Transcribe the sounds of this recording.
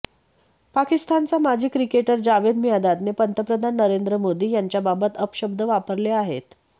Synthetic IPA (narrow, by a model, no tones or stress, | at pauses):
pakist̪ant͡samad͡ʑʱiːkɾikeʈəɾd͡ʑaʋed̪mijad̪at̪nepənt̪əpɾəd̪ʱanːəɾend̪ɾəmod̪iːjaɲt͡ɕjababət̪əpɕəb̚d̪əʋapəɾleaɦet̪